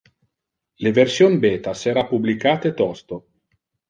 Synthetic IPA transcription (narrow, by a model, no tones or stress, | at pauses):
leversjonbeːt̪aseɾapublikaːt̪et̪ɔst̪o